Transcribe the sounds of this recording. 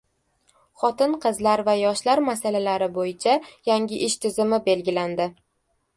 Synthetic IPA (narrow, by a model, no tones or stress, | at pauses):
χɒt̪ɪnqʰɨzlaɾvajɒʃlaɾmasalalaɾɪbojɪt͡ʃʰajaŋʲɪʔɪʃt̪ʰɪzɪmɪbe̞lɡʲɪland̪ɪ